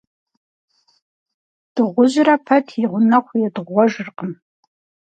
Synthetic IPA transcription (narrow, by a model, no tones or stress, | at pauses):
d̥ɨʁʷʊʑrɐpʰɐtʰiʁʷʊnɐχʷjɛdʁʷɔʒɨrqəm